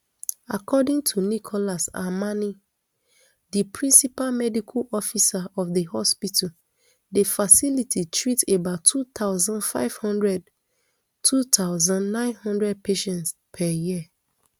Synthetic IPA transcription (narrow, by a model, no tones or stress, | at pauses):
a̰kʰɔdĩŋtʰunikʰɔlasa̰mani | dipʰɹĩnsipalmɛdikʰalɔfisaɔfðəhɔspitʰa | defasilitʰitʰɹitebaʊtʰːut̪aʊzãndfa̰ɪv̥hɔ̃ndɹɛd | tʰut̪ʰaʊzãndnãɪ̃nhɔ̃ndɹɛd̚pʰeʃɛ̃ntspʰɛjiə